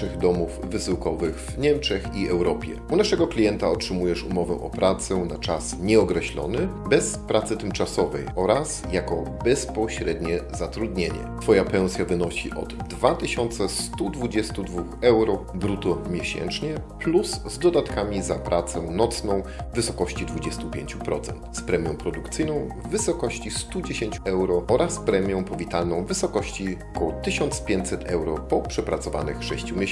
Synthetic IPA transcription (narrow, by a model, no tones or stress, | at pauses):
ɘɣd̪ɔmuvːɘsɘwkɔvɘɣvɲɛmt͡ʂɛxiɛwɾɔpʲjɛ̰unaʂɛɡɔklʲijɛnt̪aɔtʂɘmujɛʂumɔvɛʔɔpɾat̪sɛnat͡ʂasɲɛɔkɾɛɕlɔ̰nɘbɛspɾat̪sɘt̪ɘmt͡ʂasɔvɛjʔɔɾasjakɔbɛspɔɕɾɛd̪ɲɛzat̪ɾud̪ɲeɲɛ̰t̪fɔjapɛ̃w̃sʲjavɘnɔɕḭʔɔ̰d̪ːvat̪ɘɕɔnt̪sɛst̪ud̪vud͡ʑɛst̪ud̪vuxɛwɾɔbɾut̪ɔmʲjeɕɛ̰nt͡ʂɲɛpluszd̪ɔd̪at̪kamʲizapɾʔat̪sɛnɔt̪snɔ̃w̃vɘsɔkɔɕt͡ɕid̪vud͡ʑɛst̪upʲjḛɲt͡ɕupɾɔt̪sɛ̰nt̪spɾɛmʲjɔ̃w̃pɾɔd̪ukt̪sɘjnɔ̃w̃ | vɘsɔkɔɕt͡ɕist̪ud͡ʑeɕeɲt͡ɕuɛwɾɔɔɾʔaspɾɛmʲjɔ̃w̃pɔvʲit̪alnɔ̃w̃vɘsɔkɔɕt͡ɕiɔkɔwɔt̪ɘɕɔnt̪spʲjẽɲt͡ɕʲsɛt̪ʰɛwɾɔpɔpʂɛpɾat̪sɔva̰nɘxʂɛɕt͡ɕumʲe